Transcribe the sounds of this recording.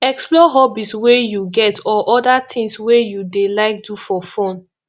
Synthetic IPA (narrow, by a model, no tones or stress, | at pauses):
ɛksplɔɦɔbiswejuɡɛtɔʔɔdatĩŋswejudelaɪk̚dufɔfõn